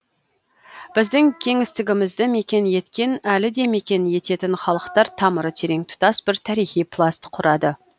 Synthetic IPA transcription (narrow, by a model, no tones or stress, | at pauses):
b̥ɪzd̪ɪŋkʲʰe̞ŋɪst̪ɪɡʲɪmɪzd̪ɪme̞kʲe̞nje̞t̪kʲe̞nælɪd̪e̞me̞kʲe̞nje̞t̪e̞t̪ɪnχɑlˠəqt̪ɑɾt̪ʰɑməɾət̪ʰe̞ɾe̞ŋt̪ʰʊ̥t̪ɑsbɪɾt̪ʰæɾijχijpʰlˠast̪qʰʊɾɑd̪ə